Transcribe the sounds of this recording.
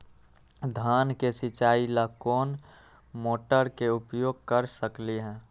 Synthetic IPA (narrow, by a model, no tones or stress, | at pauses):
d̪ʱaːnkesɪt͡ʃaːiləkoːn | moːʈəɾkeʊpjoːɡ̚kəɾsəkliɦɛ̃ː